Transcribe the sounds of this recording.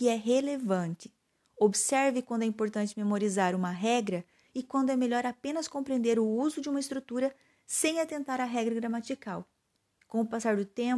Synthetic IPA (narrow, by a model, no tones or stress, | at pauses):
kɪɛɦelevɐ̃nt͡ʃ̪ɪ̥ | obsɛɾvɪkwɐ̃nd̪ʊɛĩpoɾt̪ɐ̃nt͡ʃɪmemoɾizaɾũmɐɦɛɡɾɐ | ɪkwɐ̃nd̪ʊɛmeʎɔɾapẽnɐskõpɾẽnd̪eɾʊuzʊd͡ʒɪũmɐɪst̪ɾut̪uɾɐ | sẽj̃ɐt̪ẽnt̪aɾɐɦɛɡɾɐɡɾamat͡ʃikaw | kõʊpasaɾd̪ʊt̪ẽ